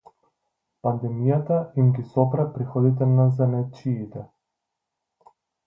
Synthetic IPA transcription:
pand̪ɛmijat̪aimɡʲisɔpɾapɾixɔd̪it̪ɛnazɛnɛt͡ʃiːt̪ɛ

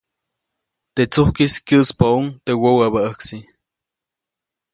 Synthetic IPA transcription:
t̪et͡suhkiskʲjɨʔspauŋt̪ewowaβaəksi

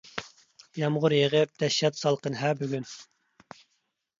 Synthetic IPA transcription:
jɑmʁʊɾjeʁəp̚d̪̥ɛʃːɛt̪sɑlˠqənɦæbyɡʲyn

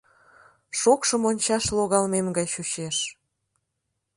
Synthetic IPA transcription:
ʃokʃəmonʲt͡ɕɑʃloɣɑlmemɡɑjʃut͡ɕeʃ

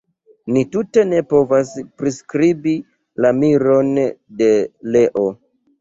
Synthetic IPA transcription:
nitute̞ne̞po̞vaspɾiskɾibi | lamiɾo̞nde̞le̞ʔo̞

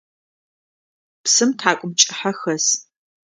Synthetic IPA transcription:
psɨmtʰħaːkʷʼʊmt͡ʃʼɪħaxɐs

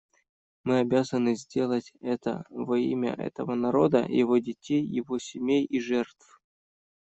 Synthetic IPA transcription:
mɨɐbʲazənɨzʲdʲe̞lˠətʲɛt̪ə̰vɐḭmʲə̰ʔɛ̰t̪əvənɐɾo̞d̪ə̰jɪ̰vo̞dʲɪtʲejːɪvo̞sʲɪmʲejiʐɛrt̪f

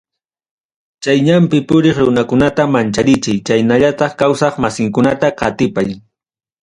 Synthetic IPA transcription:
t͡ʃajɲampɪpʊɾeχɾʊnakʊnat̪amant͡ʃaɾɪt͡ʃajt͡ʃajnaʎat̪ɑχkawsɑχmasɪŋkʊnat̪aqɑt̪ɪpaj

